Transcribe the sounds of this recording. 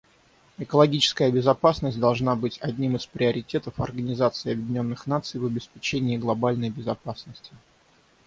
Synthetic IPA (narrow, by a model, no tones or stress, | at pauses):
ɨkəlˠɐɡʲit͡ɕɪ̥skəjəbʲɪzɐpasnəsʲtʲd̪ɐlˠʐnabɨtʲɐdʲnʲimɨspɾʲɪɐɾʲɪtʲe̞t̪əfɐ̰rɡənʲɪzat̪sɨɪɐbʲjɪdʲɪnʲo̞nːɨxnat̪sɨjvɐbʲɪspʲɪt͡ɕenʲɪːɡlˠɐbalʲnəjbʲɪzɐpasnəsʲtʲɪ